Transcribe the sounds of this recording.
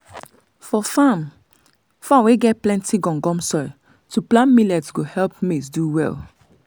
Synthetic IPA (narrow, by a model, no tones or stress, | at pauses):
fɔfãm | fãmweɡɛt̚plɛ̃ntiɡɔ̃ŋɡɔ̃msɔ | tuplãnmilɛtsɡohɛlpmesduwɛ̰l